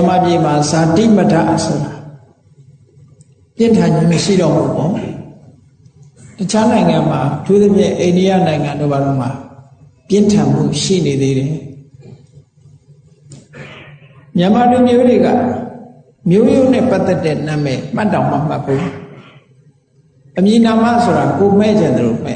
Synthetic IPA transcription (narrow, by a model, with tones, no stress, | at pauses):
ə˨ma˨pje˨m̥a˨za˨tḭ˦˨mə˦ta̰˦˨ʔso˨ɾa˨ | pjɪ̃˦˨ntʰã˨ɲd͡ʑḭ˦˨mə˨ʃḭ˦˨ɾɔ˦˨mṵ˦˨bɔ˨ | tət͡ɕʰa˦nã˨ɪ̃ŋã˨ma˨ʔətʰu˦t̪ə˦pʰjɪ̰̃˦˨ʔẽ˨ndi˦ja̰˦˨nã˨ɪ̃ŋã˨ndo̰˦˨ba˨ɾo˦˨m̥a˨ | pjɪ̃˦˨ntʰã˨m̥ṵ˦˨ʃḭ˦˨ne˨d̪e˦ɾɛ˨ | mjə˨ma˨lu˨mjo˦dwe˨ɡa̰˦˨ | mjo˦jo˦nɛ̰̃˦˨pa˦t̪ːɛ˦tːɛ̰˦˨nã˨mɛ̰˦˨m̥a˦tːã˨ʊ̃mə˨m̥a̰˦˨pʰːo̰˦˨ | ʔəmji˨nã˨ma̰˦˨sʰo˨ɾa˨ko˨m̥ɛ̰˦˨d͡ʑɪ̃˨nd̪ə˨lo̰˦˨m̥ɛ̰˦˨